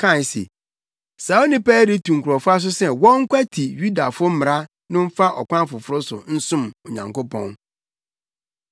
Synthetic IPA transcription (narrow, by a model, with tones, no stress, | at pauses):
kʰã˦˨n˨sḛ˨ | sa˨˦o˦nɪ̃˦pɛː˦ɾi˦tʰũ˨ŋ̩˨kʰu˨ɾɔ˨fʊ˦a˦s̬ʊ˦sɛ˦wɔ̃˦ŋ̩˦kʷa˦tʰi˨ɥu˦da˨fʊ˦m̩˦mɪ̃˨ɾa˦ | nɪ̃˦m̩˦fa˦ʔɔ˨kʷʰã˦fʊ˨fʊ˦ɾʊ˦sʊ̰˨n̩˦sʊ̃˦˨mo˨ɲã˨ŋko˦pʰɔ̰̃˦n